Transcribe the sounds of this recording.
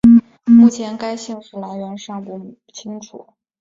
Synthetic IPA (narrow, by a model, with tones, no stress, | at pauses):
mu˥˩t͡ɕʰjɛ˧˥nka˥ɪɕi˥˧ŋʂɻ̩˥˩la˧˥ɪɥɛ˧˥nʂɑ˥˧ŋpu˥˩t͡ɕʰi˥ŋʈ͡ʂʰṵ˨˩˦